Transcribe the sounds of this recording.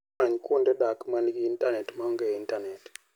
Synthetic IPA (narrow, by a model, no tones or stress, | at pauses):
aɲkundɛɗakmanɡiintanɛtmaŋɡɛintanɛt